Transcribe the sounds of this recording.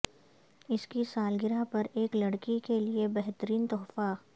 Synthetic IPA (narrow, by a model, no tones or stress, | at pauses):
ɪskisaːlɡɪɾapɐɾeːklɐɽkikeliebɛɦt̪əɾiːnt̪ɔːfaː